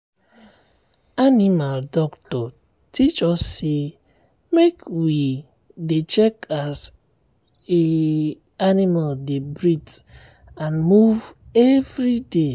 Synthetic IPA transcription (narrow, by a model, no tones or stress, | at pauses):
animaldɔktɔ | tit͡ʃɔsːe | mekwi | det͡ʃekas | e | animaldebɾit | ãnmuvevɾide